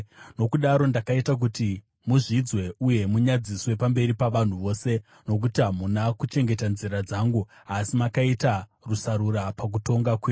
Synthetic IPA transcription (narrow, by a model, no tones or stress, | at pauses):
no̞kuɗaɾo̞ndakaitak̬uti | muʐid͡zwe̞uje̞muɲad͡ziswe̞pambe̞ɾipaʋan̤uʋo̞ːse̞ | no̞k̬utiɦamunakut͡ʃe̞ŋɡe̞tanziɾad͡zaːŋɡu | asimakaita | rusaɾuɾapak̬uto̞ŋɡakweː